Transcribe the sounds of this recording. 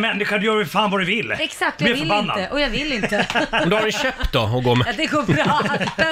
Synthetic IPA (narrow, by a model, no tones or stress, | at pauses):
mɛnːɪɧaɖjœːɾɪfaːnvadɵvɪlːɛksak̚t̪ɛɔɾbanːa̰d̪əʔɔjɑɡvɪlːɪnt̪əɛmd̪ʊhaɾɛnɕøːp̪t̪d̪ɔɔɡoːd̪ɛɡoːɾbɾɑ